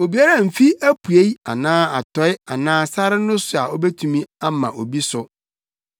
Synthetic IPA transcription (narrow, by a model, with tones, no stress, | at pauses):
o˨bi˨a˦ɾã˦˨m̩˨fi˦æ˦pʰu˨e˦ja̰˨nãː˦a˨tʰɔ˨˦ɪ˦a˨nãː˦sa˦ɾɪ˦nʊ̃˦sʊ˨a˨ɔ˦be˦tʰũ˨mĩ˦a˦mã̰˨ʔo˨bi˦sʊ˨